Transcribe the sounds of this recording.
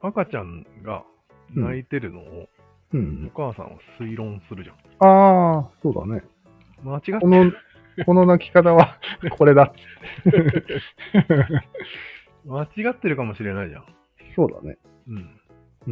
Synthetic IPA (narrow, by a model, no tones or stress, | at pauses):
akat͡ɕãŋ | ɡa̰ | nait̪e̞ɾɯ̟no̞̰ː | ɯ̟̃ɴokaːsã̰ŋ̃βa̰sɨiɾõ̞ɰ̃sɨɾɯ̟ʑãŋ | aːso̞ːd̪a̰ne̞ | mat͡ɕiɡakono | ko̞no̞nakʲi̥kat̪aβakʰo̞ɾe̞d̪at̪ | mat͡ɕiɡat̪ːe̞ɾɯ̟kamo̞ɕiɾe̞naiʑã̰ | so̞ːd̪a̰nḛ | ɯ̟̃ɴ